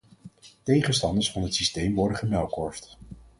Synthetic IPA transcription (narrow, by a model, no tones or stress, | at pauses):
tejχənstɑndəɹsfɑnɦətsistejmʋɔɹdəχəmɛlˠkɔɹft